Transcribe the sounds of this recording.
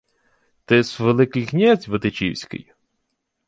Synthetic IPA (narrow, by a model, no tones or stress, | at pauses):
t̪ɪsʋelˠɪkɪjknʲɛzʲʋɪt̪ɪt͡ʃḭwsʲkɪ̰j